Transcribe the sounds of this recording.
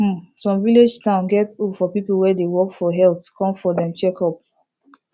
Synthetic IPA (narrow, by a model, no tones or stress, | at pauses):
sɔ̃mviled͡ʒtãʊ̃nɡɛtufɔpipl̩wɛdewɔkfɔɦɛltkʰɔ̃mfɔdɛ̃mt͡ʃɛkɔp̚